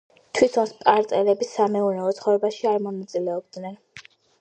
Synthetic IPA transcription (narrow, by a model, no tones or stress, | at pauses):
t̪ʰwit̪ʰɔnspʼaɾt̪ʼɛlɛbisamɛunɛɔt̪sχɔvɛbaʃiaɾmɔnat̪sʼilɛɔb̚d̪nɛn